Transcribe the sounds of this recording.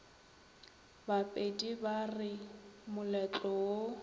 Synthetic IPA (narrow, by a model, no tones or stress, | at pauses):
bapʼedibarɪmʊlɛt͡ɬʼɔo